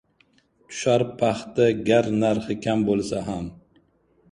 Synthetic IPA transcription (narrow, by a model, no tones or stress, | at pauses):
t̪ʰʊ̥ʃaɾpʰaχt̪aɡʲaɾnaɾχɪkʲʰambolˠsaɦam